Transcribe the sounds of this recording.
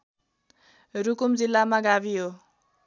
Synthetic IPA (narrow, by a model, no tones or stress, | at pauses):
rukumd͡zilːamaɡabiɦo